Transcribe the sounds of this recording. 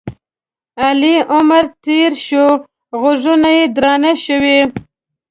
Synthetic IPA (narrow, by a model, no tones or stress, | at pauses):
aliʔʊmaɾt̪eɾʃo | ɣʊʐunajed̪ɾɑnaʃəwe